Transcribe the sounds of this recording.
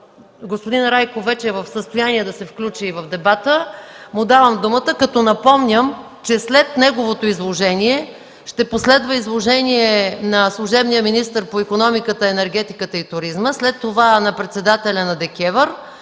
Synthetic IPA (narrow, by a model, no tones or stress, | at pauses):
ɡospod̪inɾajkovɛt͡ʃɛvəfsəst̪ojaniɛd̪ɐsɛfklʲut͡ʃiːvəvd̪ɛbat̪əmʊd̪avəmd̪umət̪əkɐt̪ɔnɐpɔmnʲəm | t͡ʃɛslɛt̪nɛɡovot̪oizlˠoʒɛniɛ | ʃt̪ɛposlɛd̪vəizlˠoʒɛniɛnɐslˠuʒɛbnijəminist̪əɾpoikonɔmikət̪əɛnɛɾɡ̟ɛt̪ikət̪əit̪ʊɾizməslɛt̪ːovanɐpɾɛt̪sɛd̪at̪ɛlʲɐnɐd̪ɛkʲɛvəɾ